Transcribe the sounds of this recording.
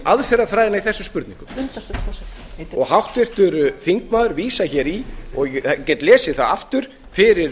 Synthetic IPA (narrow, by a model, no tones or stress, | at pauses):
ʔaðfɛɾaðfɾajðɪnaiθɛsːʏmspʏɾt̪nĩŋkʏm | ɔɣhawht̪vɪr̥t̪ʏɾθiŋkmaːðʏɾviːsaçɛɾiɔɣcɛt̪lɛːsɪθaðaft̪ʏɾ̥ | fɪɾɪɾ